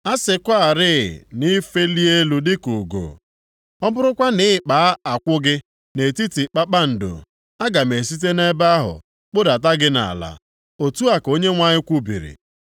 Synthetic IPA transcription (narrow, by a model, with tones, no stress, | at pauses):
a˦sɪ˨kʷa˦a˨ɾɪ̰˦˨ni˦fe˦li˦e˦lu˦dɪ˦ku˨ɡo̰˨ | ɔ˦bʊ˦ɾʊ˦kʷa˦nɪ˦ɪ˦k͡pa˨˦a˨kʷʊ˦ɡɪ˦ | ne˨ti˦ti˨k͡pa˦k͡pa˦n̩˨do̰˨ | a˦ɡa˨m̩e˨si˦t̬e˦ne˦ba˦ɦʊ̰˨ | k͡pʊ˦da˨t̬a˦ɡɪ˦na̰˨la̰˨ | o˨tu˦a˨ko˦ɲe˦ŋʷa˦ɲɪ˦kʷu˦bḭ˨ɾḭ˨